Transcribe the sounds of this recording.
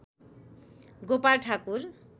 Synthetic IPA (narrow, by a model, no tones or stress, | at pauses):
ɡopaɾʈʰakuɾ